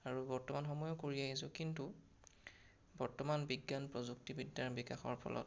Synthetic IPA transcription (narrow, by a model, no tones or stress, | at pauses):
aɹubɔɹtɔmanxɔmɔjɔkoɹiaɦisʊkintu | bɔɹtɔmanbiɡːanpɹɔzuk̚tibidːaɹbika̰xɔ̰ɹpʰɔ̰lʔɔ̰t